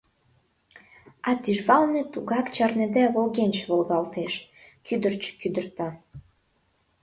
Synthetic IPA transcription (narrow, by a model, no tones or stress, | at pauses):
ɑt̪yʒβɑlnĕt̪uɣɑkt͡ɕɑrned̪æβolɣenʲt͡ɕβolɣɑlt̪eʃ | kyd̪ərt͡ɕkyd̪ərt̪ɑ